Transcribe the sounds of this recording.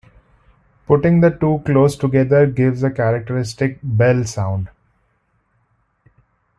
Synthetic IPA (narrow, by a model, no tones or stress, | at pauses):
pʊʈɪ̃ŋd̪əʈuːkloːsʈʊɡɛd̪əɾɡɪʋzəkæɾək̚ʈəɾɪsʈɪk̚bɛlsãʊ̃ɳɖ